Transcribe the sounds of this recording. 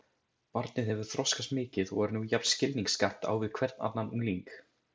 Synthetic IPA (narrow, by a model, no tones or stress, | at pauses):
paɾt̪nɪðhɛvʏɾ̥θɾɔskast̪mɪːcɪðɔɣɛɾnujapnscɪlniŋkskaht̪a̰ːwvɪðkʰvɛɾt̪na̰t̪nanuŋliŋk